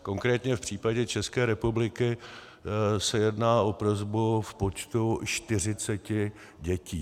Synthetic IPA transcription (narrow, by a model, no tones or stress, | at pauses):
ko̞ŋkɾɛːt̪ɲɛfpr̝̥iːpaɟɛt͡ʃɛskɛːɾɛpublɪkɪ | sɛjɛdnaːʔo̞pɾo̞zbufpo̞t͡ʃt̪ut͡ʃt̪ɪr̝ɪt͡sɛcɪ | ɟɛciː